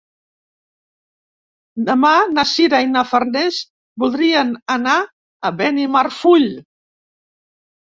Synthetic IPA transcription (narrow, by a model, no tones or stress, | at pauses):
d̪əmanəsiɾainafərnɛz | bulˠd̪ɾiənəna | əβɛnimarfuʎ